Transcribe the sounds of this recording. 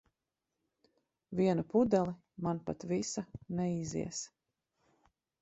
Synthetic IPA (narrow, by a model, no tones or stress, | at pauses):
viɛnupud̪ɛlˠi | manpat̪visanɛizḭɛs